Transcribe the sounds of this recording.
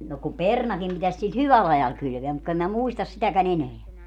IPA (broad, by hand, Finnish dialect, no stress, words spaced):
no ku pernɑkim pitæs sil hyʋæl ɑjɑl kylʋeæ mut ku em mæ muistɑs sitækæn eneæ